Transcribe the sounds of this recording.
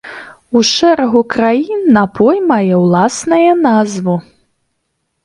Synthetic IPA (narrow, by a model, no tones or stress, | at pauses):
uʂɛɾɐɣukɾajinːapʰɔjmajɛwlˠasnɐjɐnazvu